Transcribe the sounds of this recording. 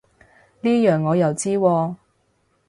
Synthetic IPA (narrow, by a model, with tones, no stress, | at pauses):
niː˥jœː˨˩ŋːɔː˨˧jɐ˨˩wt͡siː˥wɔː˧